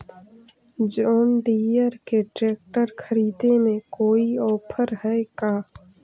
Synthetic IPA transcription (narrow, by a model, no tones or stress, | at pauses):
d͡ʒɔːnɖiːjəɾkeʈɾeːk̚ʈəɾkʰəɾiːd̪emẽkoːiɔːpʰəɾɦɛkaː